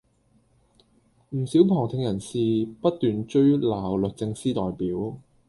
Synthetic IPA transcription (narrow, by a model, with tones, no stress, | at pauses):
m̩˨˩siː˨˥wpʰɔː˨˩ŋt̪ʰɪ˧ŋjɐ˨˩nsiː˨pɐ˥t̚t̪yː˨nt͡ʃɵ˥ɥlaː˨˩wlɵ˨˩t̚t͡sɪ˧ŋsiː˥t̪ɔː˨jpiː˨˥w